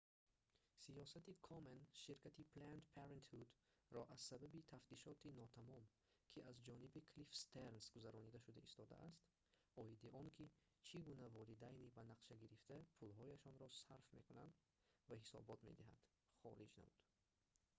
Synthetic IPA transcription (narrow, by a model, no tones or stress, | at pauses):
sijɔsat̪ikʰɔmenʃiɾkʰʲat̪ipʰlant̪pʰeɾent̪hud̪ɾɔʔaz̥sababit̪ʰaft̪iʃɔt̪inɔt̪ʰamɔm | kʰiʔazd͡ʒɔnibikʰlifst̪ernsɡuzaɾɔnid̪aʃud̪aist̪ɔd̪a̰ʔːst̪ | ɔid̪iʔɔŋkʰi | t͡ʃʰiɡunavɔlid̪ajnibanaqʃaɡiɾift̪apʰulɦɔjaʃɔnɾɔsaɾfme̞̰kuna̰nd̪ | vaɦisɔ̰bɔt̪me̞̰d̪iɦa̰nd̪̥ | χɔ̰lid͡ʒna̰mṵd̪̥